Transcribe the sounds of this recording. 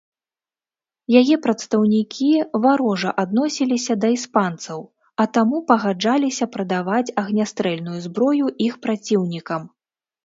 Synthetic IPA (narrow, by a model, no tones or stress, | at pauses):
jajɛpɾɐt̪st̪ɐwnʲikʲivaɾɔʐɐʔad̪̚nɔsʲilʲisʲɐd̪ɐispant̪sɐw | ɐt̪amupɐɣad͡ʐalʲisʲɐpɾɐd̪avat͡sʲɐɣnʲast̪ɾɛlʲnujuzbɾɔjuʔixpɾat͡sʲiwnʲikɐm